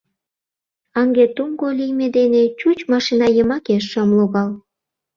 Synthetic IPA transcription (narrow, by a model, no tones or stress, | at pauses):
ɑŋɡet̪uŋɡolʲijmed̪enet͡ɕut͡ɕmɑʃinɑjəmɑkeʃːəmloɣɑl